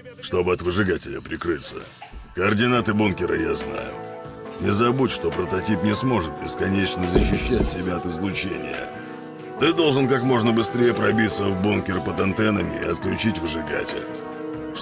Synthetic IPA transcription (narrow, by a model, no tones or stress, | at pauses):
ʂt̪o̞bɨɐt̪vɨʐɨɡatʲɪlʲəpɾʲɪkɾɨt̪sːə̰kəːrdʲɪnat̪ɨbunkʲɪɾə̰ja̰zna̰jʊ̰nʲɪzɐbutʲʂt̪o̞pɾət̪ɐtʲipnʲɪsmo̞ʐɨt̪̚bʲɪskɐnʲet͡ɕnəzəɕːɪɕːæt̚ʲːɪbʲaɐt̪ɨzlˠʊt͡ɕḛnʲɪ̰jə̰ | t̪ɨd̪o̞lˠʐɨnkakmo̞ʐnəbɨst̪ɾʲejəpɾɐbʲit̪səvbunkʲɪrpəd̪ɐnt̪ɛnəmʲɪɪɐt̪̚klʲʉt͡ɕitʲvɨʐɨɡa̰tʲɪ̰lʲ